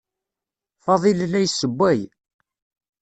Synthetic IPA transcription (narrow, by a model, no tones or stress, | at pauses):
fɑðˤillːæjsːəbʷːæj